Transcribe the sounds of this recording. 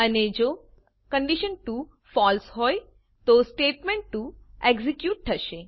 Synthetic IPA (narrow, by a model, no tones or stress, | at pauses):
əned͡ʒo | kə̃ɳɖiʃənʈu | fɔlsɦɔj | t̪osʈeʈmẽɳʈʈueɡzikjuːʈ̚ʈʰəʃe